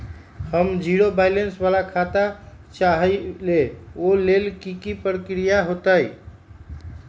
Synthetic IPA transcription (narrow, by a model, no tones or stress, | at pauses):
həmd͡ʒiɾobajlensbalakʰat̪a | t͡ʃaɦəleolelkikipɾəkɾijaɦot̪əj